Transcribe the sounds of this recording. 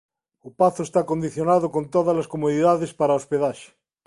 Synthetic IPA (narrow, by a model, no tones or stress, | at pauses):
opaθoest̪akond̪iθjonaðokont̪oðazlaskomoðiðaðespaɾaospeðaʃe̥